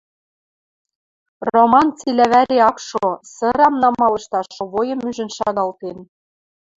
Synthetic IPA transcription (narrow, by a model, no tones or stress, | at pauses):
romɑnt͡silæβæɾeɑkʃosɤ̆ɾɑmnɑmɑlɤ̆ʃt̪ɑʃŏβojɤ̆myʒɘ̆nʃɑɣɑlt̪en